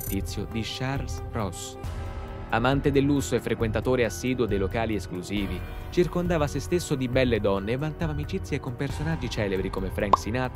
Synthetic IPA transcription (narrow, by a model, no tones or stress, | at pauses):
t̪it̪sːjod̪iʃarlsrɔs | amant̪ed̪elːusːoefːɾekwent̪at̪oːɾeasːiːd̪uod̪ejlokaːlieskluziːvit͡ʃirkond̪aːvasest̪esːod̪ibɛlːed̪ɔnːeːvːant̪aːvaːmit͡ʃit̪sjekompersonad͡ʒːit͡ʃɛːlebɾikomefɾɛŋksinat̪